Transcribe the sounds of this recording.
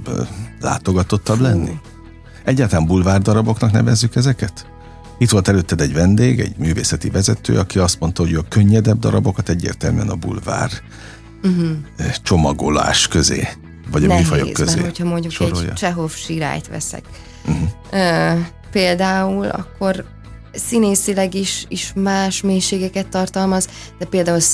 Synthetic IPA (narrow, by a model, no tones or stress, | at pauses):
la̰ːt̪o̞ɡɒt̪ot̪ːɒblɛnːḭ | ɛɟːaːt̪ɒlambulvaːrd̪ɒɾɒbo̞knɒknɛ̰vɛzːykɛzɛkɛt̪ | it̪ʋo̞lt̪ɛløːt̪ːɛd̪ɛɟvɛnd̪eːɡɛ̰ɟmyːveːsɛt̪ivɛzɛt̪ø̰ːɒkiɒst̪mo̞nt̪ɒɦo̞ɟøɒkøɲːɛd̪ɛb̚d̪ɒ̰ɾɒbokɒt̪ɛɟːḛːrt̪ɛlmy̰ɛ̰nɒbṵlva̰ːr | t͡ʃo̞mɒɡo̞la̰ːʃkøzḛː | vɒɟɒifɒjo̰kːøzeːochɒmo̞ɲɟuʃoɾojt͡ʃɛɦofʃiɾa̰ːjt̪ʋɛ̰sɛ̰k | m̩ɦ | øː | peːld̪aːulɒ̰kːo̞r | sineːsilɛɡiʃiʃmaːʃmeːjʃeːɡɛkɛt̪ːɒrt̪ɒlmɒz | d̪̥ɛpeːld̪aːul